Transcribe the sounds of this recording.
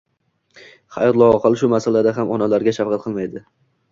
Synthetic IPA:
χajɒt̪lˠɒɒqʰɨlˠʃʊmasalad̪aɦamɒnalaɾɡʲaʃafqɑt̪̚qʰɨlˠmajd̪ɪ

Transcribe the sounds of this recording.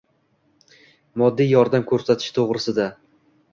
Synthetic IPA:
mɒd̪ːijɒɾd̪amkʰɵɾsat̪ʰɪ̥ʃt̪ʰoʁɾɪsɪd̪a

